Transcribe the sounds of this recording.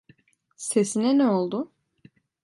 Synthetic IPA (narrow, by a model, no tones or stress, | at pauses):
sesinɛnɛolˠd̪ʊ